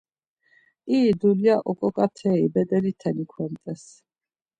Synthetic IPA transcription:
id̪uliaʔɔkʼɔkʼat̪ʰɛibɛd̪ɛlit̪ʰɛnikʰwɛmt̪ʼɛs

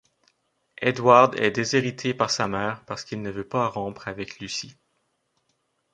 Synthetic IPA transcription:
ed̪waʁd̪ɛ̰d̪eziʁit̪ʰepaʁsamɛːʁpaʁsə̥kilnəvøpaʁɑ̃pχavɛklysi

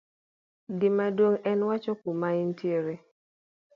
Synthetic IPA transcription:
dɪmadwoŋɛnwat͡ʃɔkumaintjeɾe

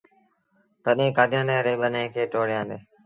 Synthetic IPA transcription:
t̪əɗẽːkaːd̪jãːnd̪ɛ̃ːɾeːɓənẽːkʰeːʈoːɽ̤ɪjãːnd̪eː

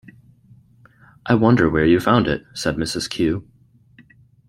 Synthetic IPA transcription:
ʔaɪwʌ̃ndə˞wə˞jɨfãʊ̃ndɪ̰t̚sɛd̚mɪsɨz̥kʰj̥ʉ

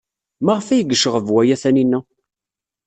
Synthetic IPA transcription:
maʁfæjəɡəʃəʁəvwæjæθæninːæ

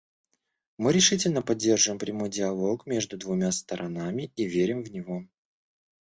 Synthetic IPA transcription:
mɨɾʲɪʂɨtʲɪlʲnəpɐdʲːe̞rʐɨvɪmpɾʲɪmo̞jdʲɪɐlˠo̞kmʲe̞ʐd̪ʊd̪vʊmʲast̪əɾʔɐnamʲɪivʲeɾʲɪmvnʲɪvo̞

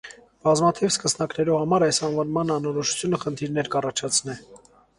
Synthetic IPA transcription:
b̥ɑzmɑt̪ʰivskəsnɑknɛɾuhɑmɑɾɑjsɑnvɑnmɑnɑnɔɾɔʃu̥t͡sʰjunəχənt̪ʰiɾnɛɾkɑrɑt͡ʃʰɑt͡sʰnɛ

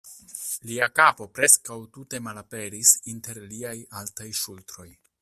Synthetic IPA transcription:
liakapo̞pɾe̞skawtute̞malape̞ɾisinte̞ɾliajaltajʃultɾo̞j

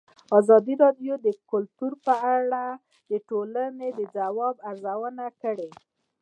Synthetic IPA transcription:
ɑzɑd̪iɾɑɖjod̪əkʊlt̪uɾpəaɽa | d̪əʈolaned̪əd͡zawɑbaɾzawənakəɽe

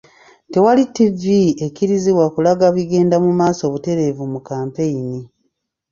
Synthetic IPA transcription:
te̞walitːivie̞kiɾiziβwakulaɡaβiɡe̞ːndamumaːso̞ːβute̞ɾe̞vumukaːmpe̞ini

